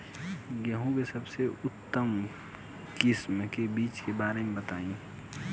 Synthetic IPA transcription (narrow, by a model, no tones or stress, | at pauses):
ɡɐɦũkesɐbseʊt̪ːəm | kɪsmkebiːt͡ʃkebaːɾemẽbət̪aːĩ